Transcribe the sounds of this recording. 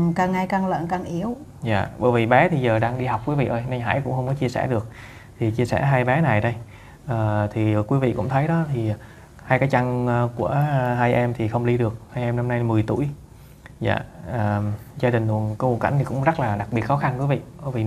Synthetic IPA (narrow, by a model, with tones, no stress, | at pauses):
kaː˨˩ŋːa˧jkaː˧˩ŋlə̰ː˧˨nkaː˨˩ŋʔi˨˦əwza̰ː˧˨ɓə̰˧˩jvi˨˩ɓɛ˨˦t̪ʰi˨˩zəː˨˩ɗaː˧ŋɗi˧ɦa˨˩wk͡p̚kwi˨˦vḭ˧˨ʔəː˧jna˧jŋɦa̰ː˧˥˩jkʊ̰˧˥ŋ͡mhə˧wŋ͡mkɔ˨˦t͡ɕi˧əsɛ̰˧˩ɗɨ˨˩ək̚ | t̪ʰi˨˩t͡ɕi˧sɛ̰˧˩ɦaː˧jɓɛ˨˦na˨˩jɗə˧j | ʔəː˨˩t̪ʰi˨˩˨kwi˨˦vḭ˧˨kʊ̰˧˥ŋ͡mt̪ʰə˨˦jɗɔ˨˦t̪ʰi˨˩ | haː˧jkaː˨˦jt͡ɕa˧nː˧ku˧˩əɦaː˧jʔɛ˧mt̪ʰi˨˩xə˧wŋ͡mli˧ɗɨ˨˩ək̚haː˧jʔɛ˧mna˧mna˧jmɨ˨˩əjt̪ṵ˧˩əj | za̰ː˧˨əː˨˩zaː˧ɗï˨˩ŋlu˨˩ənkɔ˨˦wənka˧˩jŋt̪i˨˩kʊ̰˧˥ŋ͡mzə˦˥t̚laː˨˩ɗa˨˩k̚ɓi˨˩ət̚xɔ˨˦xa˧nkwi˨˦vḭ˧˨ɓə˧˩vi˨˩